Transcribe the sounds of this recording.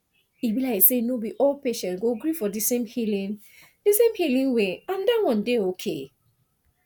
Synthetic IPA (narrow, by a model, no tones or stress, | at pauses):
ibilaɪsenobiʔolpeʃɛ̃ntɡoɡɹifɔdisẽmhilĩn | d̥isẽmhilĩŋweãndawɔ̃ndeokʰḛ